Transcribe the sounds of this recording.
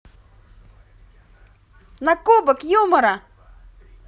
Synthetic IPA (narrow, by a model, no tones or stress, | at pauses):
nakubəkjoməɾa